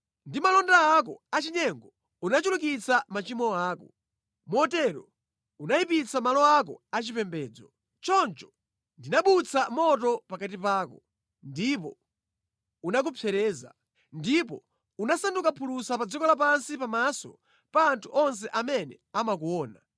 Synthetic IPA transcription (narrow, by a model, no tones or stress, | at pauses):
ndimalɔndaakɔat͡ʃiɲɛŋɡɔ | unat͡ʃuluk̬it͡sʰamat͡ʃimɔaːkɔ | mɔtɛɾɔ | unaipit͡samalɔak̬ɔ̰at͡ʃipɛmbɛːd͡zɔ | t͡ʃɔnt͡ʃɔ̥ | ndinaɓut͡sʰamɔtɔpakat̬ipaːkɔ | ndipɔ | unak̬upʰjɛɾɛːza̰ | ndipɔ | unasandukapʰulusapad͡zikɔlap̬ansipamasɔ̰ | paːntʰuʔɔns̬ɛʔamɛnɛ̰ | amakuwɔːna